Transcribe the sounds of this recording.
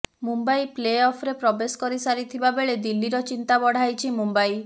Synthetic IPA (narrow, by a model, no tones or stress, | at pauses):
mumbajpleɔpʰɾepɾɔbeskɔɾisaɾit̪ʰibabeɭed̪ilːiɾɔt͡ʃint̪abɔɽ̤ajt͡ʃʰimumbaj